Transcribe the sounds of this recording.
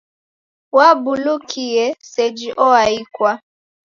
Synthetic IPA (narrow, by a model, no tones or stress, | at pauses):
wabulukʰijesed͡ʒiʔɔaikwa